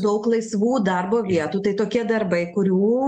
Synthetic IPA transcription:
d̪ɐʊklˠɐɪsʋuːd̪ɐrboːʋʲiɛt̪uːt̪ɐɪt̪oːkʲiɛd̪ɐɾbɐɪkʊɾʲuː

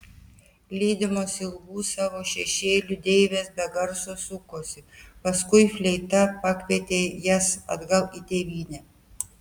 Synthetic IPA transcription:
lʲiːd̪ʲɪmoːsɪlˠɡuːsɑːʋoːʃʲɛʃʲeːlʲʊd̪ʲɛɪʋʲeːsbʲɛɡɐɾsoːsʊkoːsʲɪpɐskʊɪfʲlʲɛɪt̪ɐpɐkʲʋʲɛːt̪ʲeːjɛsɐ̰d̪ɡɐlˠit̪ʲeːʋʲiːnʲɛ

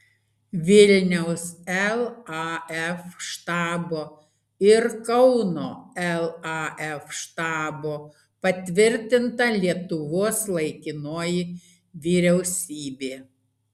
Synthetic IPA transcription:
ʋʲɪlʲnʲɛʊsɛlˠɑɛfʃt̪ɑːboː | ɪɾkɐʊnoːɛlˠɑɛfʃt̪ɑːboː | pɐt̪ʲʋʲɪɾʲt̪ʲɪnt̪ɐlʲiɛt̪ʊʋoːslˠɐɪkʲɪnoːjɪ | ʋʲiːɾʲɛʊsʲiːbʲeː

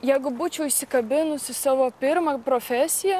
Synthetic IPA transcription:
jɛɪɡʊbuːt͡ʃʲɛʊɪʃʲsʲɪkɐbʲɪnʊsʲɪsɑːʋoːpʲɪɾmɐpɾoːfʲæsʲɪjɛ

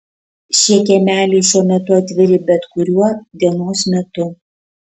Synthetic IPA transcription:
ʃʲiɛkʲɛmʲæːlʲɛɪʃʲuɔmʲɛt̪ʊɐt̪ʲʋʲɪɾʲɪbʲɛt̪kʊɾʲuɔd̪ʲiɛnoːsmʲɛt̪ʊ

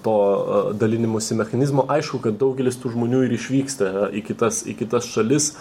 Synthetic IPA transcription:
t̪oːd̪ɐlʲɪnʲɪmoːsʲɪmʲɛxɐnʲɪzmoːʔɐɪʃkʊkɐt̪̚d̪ɐʊɡʲɛlʲɪst̪uːʒmoːnʲuːɪɾɪʃʲʋʲiːkst̪ɐɪkʲɪt̪ɐsɪ̰kʲɪt̪ɐsʃɐlʲɪs

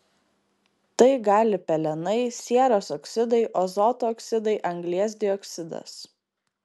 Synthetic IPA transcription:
t̪ɐɪɡɑːlʲɪpʲɛlʲɛnɐɪsʲiɛɾoːsɔksʲɪd̪ɐɪʔɔzɔt̪oːksʲɪd̪ɐɪʔɐŋɡlʲiɛs̬ʲd̪ʲɪɔksʲɪd̪ɐ̰s

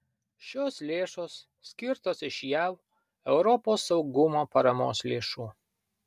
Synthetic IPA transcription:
ʃʲoːslʲeːʃoːsːʲkʲɪɾt̪oːsɪʃjɛʊ | ɛʊɾɔpoːsːɐʊɡʊmoːpɐɾɐmo̰ːslʲeːʃuː

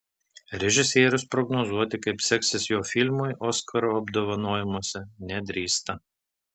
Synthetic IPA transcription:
ɾʲɛʒʲɪsʲeːɾʲʊspɾɔɡnoːzuɔt̪ʲɪkɐɪpsʲɛksʲɪsjoːfʲɪlʲmʊjʔɔːskʰɐɾoːɐbd̪oːʋɐnoːjɛmuɔsʲɛnʲɛd̪ʲɾʲiːst̪ɐ

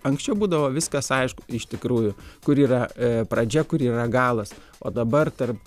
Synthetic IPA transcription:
ɐŋksʲt͡ʃʲɛʊbuːd̪ɐʋoːʋʲɪskɐsɐɪʃkʊ̥ɪʃt̪ʲɪkɾuːjʊkʊɾiːɾɐpɾɐd͡ʒʲɛkʊɾiːrɐɡɑːlˠɐs | oːd̪ɐbɐrt̪ɐrp

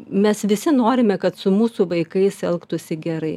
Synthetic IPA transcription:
mʲɛsʋʲɪsʲɪnoːɾʲɪmʲɛkɐt̪sʊmuːsuʋɐɪkɐɪsɛlˠkt̪ʊsʲɪɡʲɛɾɐɪ

